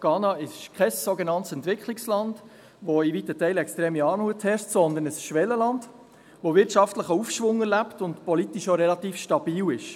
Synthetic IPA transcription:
ɡ̥ɑːnɑɪʃkʰɛsːɔɡənɑntsɛntʋɪkʰχlikslɑnd̥ | ʋoivitətɛɪlɛkst̪ɾɛːmiɑːnuəthɛɾʃtsɔnd̪ənəsʃʋɛlːəlɑnd | ʋovɪɾtʃɑftləχəufʃʋʊŋɛɾlæptʊntpɔlit̪iʃoɾɛlɑt̪iːfʃtɑb̥iːwɪʃ

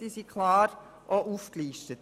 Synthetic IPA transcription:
d̥iːsikʰlɑːɾ | ʔoʔuːfkliːʃtət

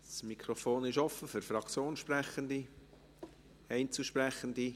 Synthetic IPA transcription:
smikʰɾofoːnɪʃɔfəfyɾfɾɑkt͡sjoːnʃprɛχənd̪i | ɛɪnt͡suʃprɛχənd̪i

